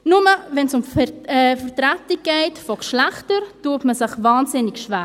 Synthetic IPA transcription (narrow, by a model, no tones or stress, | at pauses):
nʊməvɛnsʊmfɛfəɾtɾatɪɡ̥ɛɪtfɔkʃlɛχtəɾtuətməsɪχvaːnzɪnɪkʃvæː